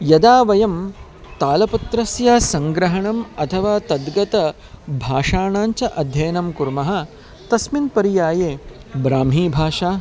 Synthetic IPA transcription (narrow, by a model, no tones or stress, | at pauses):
jɐd̪aːʋɐjɐm | t̪aːlɐpɐt̪ɾɐsjaːsɐ̃ŋɡɾɐɦɐɳɐmɐt̪ʰɐʋaːt̪ɐd̪ɡɐt̪ɐ | bʱaːʂaːɳaːɲt͡ʃɐʔɐd̪ʱjɐjɐnɐmkuɾmɐɦɐ̆ | t̪ɐsminpɐɾijaːjeː | bɾaːmɦiːbʱaːʂaː